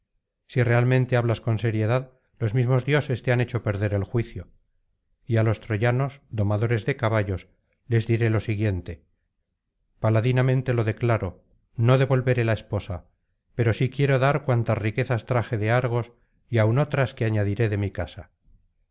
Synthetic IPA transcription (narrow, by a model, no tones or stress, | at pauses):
sire̞almẽnt̪e̞aβlasko̞nse̞ɾje̞ðað | lo̞zmizmo̞zðjo̞se̞st̪eane̞t͡ʃo̞pe̞ɾðe̞ɾe̞lxwiθjo̞ | ialo̞st̪ɾo̞ʝano̞zd̪o̞maðo̞ɾe̞zðe̞kaβaʝo̞s | le̞zðiɾe̞lo̞siɣje̞nt̪e̞ | palaðinamẽnt̪e̞lo̞ðe̞klaɾo̞ | no̞ðe̞βo̞lβe̞ɾe̞laespo̞sa | pe̞ɾo̞sikje̞ɾo̞ðaɾkwant̪azrike̞θast̪ɾaχe̞ðe̞aɾɣ̞o̞s | iawno̞t̪ɾaskeaɲaðiɾe̞ðe̞mikasa